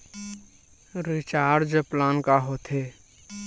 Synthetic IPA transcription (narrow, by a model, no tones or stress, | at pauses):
ɾɪt͡ʃaːɾd͡ʒəplaːnkaɦot̪ʰe